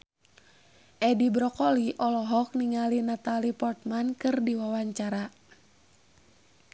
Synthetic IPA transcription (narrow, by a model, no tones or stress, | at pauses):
ʔɛdibɾɔkɔliʔɔlɔɦɔk̚niŋalinat̪alipɔrt̪̚mankɨrdiwawaɲt͡ʃaɾa